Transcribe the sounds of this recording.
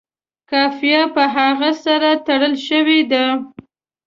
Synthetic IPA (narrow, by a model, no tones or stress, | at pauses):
kɑfijapəɦaɣasaɾat̪aɽəlʃəwed̪a